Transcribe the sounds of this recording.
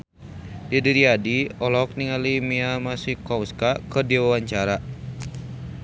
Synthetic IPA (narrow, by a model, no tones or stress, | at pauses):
didiɾiadiɔlɔk̚niŋalimiamasihkɔwskakədiwawaɲt͡ʃaɾa